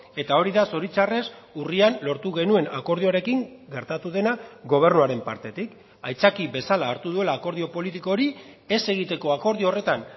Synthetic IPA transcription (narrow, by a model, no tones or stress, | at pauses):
e̞t̪ao̞ɾiðaso̞ɾit͡ʃare̞surianlo̞ɾt̪uɣe̞nue̞nako̞ɾð̞ioɾe̞kiŋɡe̞ɾt̪at̪uðe̞naɡo̞β̞e̞rnuaɾe̞mpaɾt̪e̞t̪ik | ajt͡sakiβe̞salaːɾt̪uðue̞laːko̞ɾð̞io̞po̞lit̪iko̞ɾie̞se̞ɣ̞it̪e̞ko̞ako̞ɾð̞io̞re̞t̪an